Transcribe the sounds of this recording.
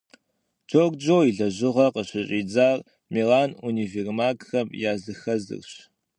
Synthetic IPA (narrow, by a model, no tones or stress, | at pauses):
t͡ʃʰoːɡd͡ʒoːiɮɐʑɪʁɐqəɕɪɕʼiːd͡zaːr | melaːnunivermaːkxɐmjaːzɨxɐzɨ̰rɕ